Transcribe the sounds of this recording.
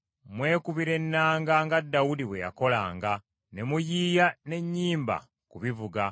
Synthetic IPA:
mwe̞ːkuβiɾe̞nːaːŋɡaŋɡadːawudiβwe̞ja̰ko̞laːŋɡa | ne̞mujiːjane̞ɲːiːmba̰ | kuβivuɡa

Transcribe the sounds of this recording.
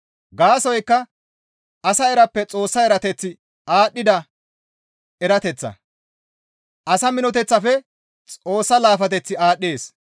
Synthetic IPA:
ɡaːsɔjkːɐ | ɐsɐɛɾɐpːɛt͡sʼo̞ːsːɐɛɾɐt̪ɛt͡sːɪ | aːɗːɪd̪ɐ | ɛɾɐt̪ɛt͡sːɐ̰ | ʔɐsɐmɪnɔt̪ɛt͡sːɐfɛ | t͡sʼo̞ːsːɐlaːfɐt̪ɛt͡sːɪaːɗːeːs

